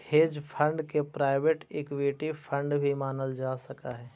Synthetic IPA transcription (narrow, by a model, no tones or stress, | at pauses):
heːd͡ʒpʰə̃ɳɖkepɾaːɪbeʈɪkwiʈipʰə̃ɳɖbʱimaːnəld͡ʒaːsəkaɦɛː